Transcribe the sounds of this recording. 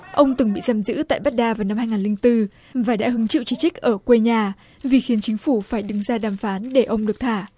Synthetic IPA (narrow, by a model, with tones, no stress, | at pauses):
ʔə˧wŋ͡mt̪ɨ˨˩ŋɓḭ˧˨zaː˨˩mzɨ̰˧˥t̪a̰ː˧˨jɓa˦˥t̚ɗaː˧vaː˨˩wna˧mhaː˧jŋaː˨˩lï˧ŋt̪ɨ˧ | vaː˨˩ɗa̰ː˧˥ɦɨ˨˦ŋt͡ɕḭ˧˨wt͡ɕi˧t͡ɕï˦˥k̟̚ʔəː˧˩kwe˧ɲaː˧˩ | vi˨˩xi˨˦ənt͡ɕï˨˦ŋ̟fu˧˩faː˧˩jɗɨ˨˦ŋzaː˧ɗaː˨˩mfaː˨˦nɗe˧˩ʔə˧wŋ͡mɗɨ˨˩ək̚t̪ʰaː˧˩